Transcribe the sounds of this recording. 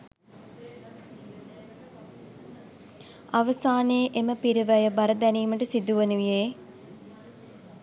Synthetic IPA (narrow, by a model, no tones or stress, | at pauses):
aʋəsaːneːʔeməpiɾiʋæjəbaɾəd̪æniːməʈəsid̪uʋənuʋijeː